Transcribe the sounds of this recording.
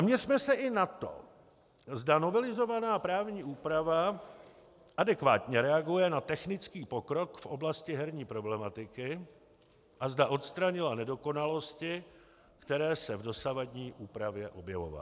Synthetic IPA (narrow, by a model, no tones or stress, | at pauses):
amɲɛrmɛsɛʔɪnat̪o̰ | zdano̞vɛlɪzo̞vanaːpɾaːvɲiːʔuːpɾava | ʔadɛkva̰ːt̪ɲɛɾɛaɡujɛnat̪ɛxnɪt͡skiːpo̞kɾo̞kfʔo̞blascɪɦɛɾɲiːpɾo̞blɛmat̪ɪkɪ | ʔazdaʔo̞t̪st̪ɾaɲɪlanɛdo̞ko̞nalo̞scɪ | kt̪ɛɾɛːsɛvdo̞savadɲiːʔuːpɾavjɛʔo̞bjɛvo̞̰va̰l